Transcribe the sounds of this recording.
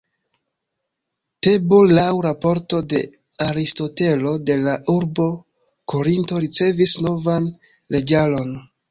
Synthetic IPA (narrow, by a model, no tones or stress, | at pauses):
te̞bolːawɾapo̞ɾto̞de̞̰ | aɾisto̞te̞lo̞de̞laʔuɾbo̞ | ko̞ɾinto̞ɾit͡se̞visno̞van | le̞d͡ʒalo̞n